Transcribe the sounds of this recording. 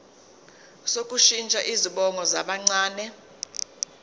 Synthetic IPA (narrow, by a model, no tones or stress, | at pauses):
sok̬ʼuʃint͡ʃʼaʔiziɓɔŋɔzaɓaŋ͡ǀaːnɛ